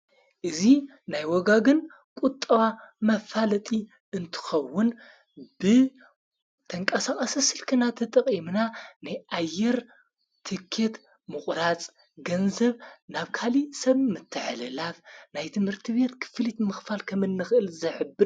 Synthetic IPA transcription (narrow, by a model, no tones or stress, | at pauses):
ʔɨzi | najwɔɡaɡɨn | kʷʼut̪ʼːɐβamɐfalɐt̪ʼi | ʔɨnt̪ʰɨ̥xɐwːʊn | bɨ | t̪ʰɐŋkʼɐsaχʼɐsɨsɨlkʰɨnat̪ʰɐt̪ʼɐkʼimnanajʔajːɛɾ | t̪ʰɨkʰːet̪ | mɨχʼɾat͡sʼ | ɡɐnzɐβnaβkʰalisɐβmɨt̪ʰːɨʕlɨlafnajt̪ʰɨmhɨɾt̪ʰɨβe̞t̪kʰɨ̥flit̪mɨxfalkʰɐmɨnːɨxɨʔɨlzɐʕɨbːɨɾ